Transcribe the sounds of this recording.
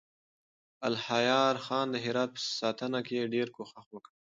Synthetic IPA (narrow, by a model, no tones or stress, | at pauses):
alhajɑɾxɑnd̪əɦɪɾɑt̪̚pə̥sɑt̪ənakeɖeɾkoxaxwəkə